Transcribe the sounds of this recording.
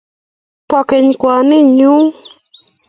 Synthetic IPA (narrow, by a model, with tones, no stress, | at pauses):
pɔ˨ke˨ɲkwɔ˨nɪ˦ɲu˦ŋ